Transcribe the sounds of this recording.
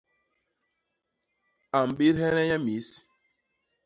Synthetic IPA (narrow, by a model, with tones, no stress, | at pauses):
a˨m˨ɓi˦ɾhɛ˦nɛ˦ja˦mi˨˦s